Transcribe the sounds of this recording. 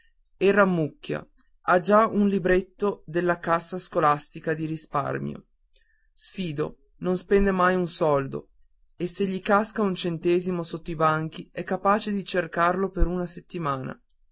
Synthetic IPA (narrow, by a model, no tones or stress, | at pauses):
erːamːukːja̰ | ad͡ʒaunlibɾet̪ːod̪elːakasːaskolast̪ikad̪iɾispa̰rmjo̰ | sfiːd̪o̰ | nonspɛnd̪emajunsɔld̪o̰ | esːeʎːikaskaunt͡ʃent̪ɛːzimosot̪ːoibaŋk̟iɛkːapaːt͡ʃed̪it͡ʃerkarlopeɾunaset̪ːimaːna̰